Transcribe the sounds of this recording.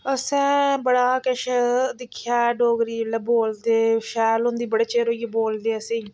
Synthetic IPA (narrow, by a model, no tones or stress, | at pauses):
əsɛ̃ːbəɽaːkəʃd̪ɪkʰːjaːɖoːɡɾiːləboːld̪eːʃɛːlɦʊ̃nd̪iːbəɽeːt͡ʃeːɾoːjiboːld̪eːəsẽː